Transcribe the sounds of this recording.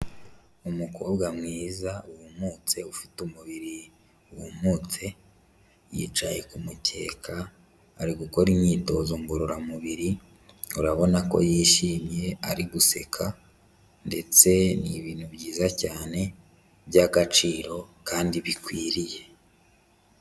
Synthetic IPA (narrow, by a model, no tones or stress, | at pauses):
umukʰo̞ːbɡamŋiːzauwumuːt͡se̞ufi̥tumuβiɾi | uwṵmuːt͡se̞ | jḭːt͡ʃaje̞kumutʰe̞̰ːkʰa̰ː | ɾiɡuko̞ɾimɲiːto̞zoŋɡuɾuɾamuβiɾi | uɾaβo̞nako̞̰jiːʃiːmje̞aɾiɡuse̞kʰa | nde̞t͡se̞nḭβiːn̥ubɟiːzacaːne̞ | βjaɡat͡ʃiːɾo̞kaːndiβikwiːɾije̞